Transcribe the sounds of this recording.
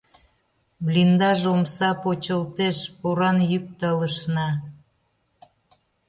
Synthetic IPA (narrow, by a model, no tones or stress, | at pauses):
βlind̪ɑʒomsɑpot͡ɕəlt̪eʃpuɾɑnjyk̚t̪ələ̆ʃnɑ